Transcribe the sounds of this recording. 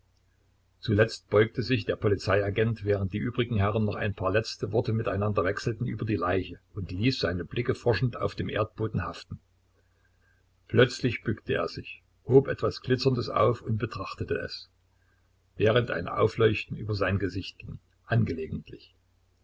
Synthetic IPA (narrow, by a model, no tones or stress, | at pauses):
t͡sulɛt͡st̚b̥ɔʏk̚təzɪçd̥eːɐpʰɔlit͡saɪaɡɛntvɛːʁənt̚d̥iːʔyːbʁɪɡŋ̩ɦɛʁənːɔχa̰ɪnpʰɑːɐlɛt͡stəvɔɐtəmɪtaɪnandɐvɛksl̩tn̩ʔyːbɐdiːlaɪçəʔʊntliːsz̥aɪnəblɪkəfɔɐʃn̩ta̰ʊfd̥eːmʔḛːɐt̚b̥oːdn̩haftn̩ | pʰlœt͡slɪçb̥ʏktəḛːɐzɪç | hoːpʔɛtv̥asɡ̥lɪt͡sɐndəsʔa̰ʊfʊntb̥ətʁ̥aχtətəɛ̰s | vɛːʁ̞əntʔa̰ɪnʔa̰ʊflɔʏçtn̩ʔyːbɐzaɪnɡəzɪçt̚ɡ̥ɪŋ | ʔanɡəleːɡŋ̩tʰlɪç